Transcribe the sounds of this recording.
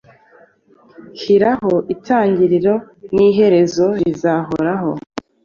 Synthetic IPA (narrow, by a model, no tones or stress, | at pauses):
hiɾaho̞ʔitʰaːɲɟiɾiɾo̞ | niɦe̞ɾe̞zo̞ɾizaɦoɾaho̞̰